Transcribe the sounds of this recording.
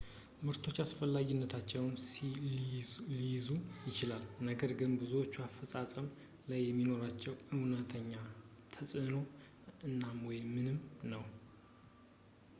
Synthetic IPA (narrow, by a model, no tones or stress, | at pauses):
mɨɾt̪ʰo̞t͡ʃːasfəlːaɡɪnːət̪ʰat͡ʃːɛwns | lijzujɪt͡ʃɪlalnəɡəɾɡɨnbɨzuwot͡ʃːuafəsʼasʼəm | lajːɛmːino̞ɾat͡ʃːɛwɨwnət̪ʰəɲːa | t̪ʰəsʼɨno̞ | ɨnːamwɔjmːɨnɨmnəw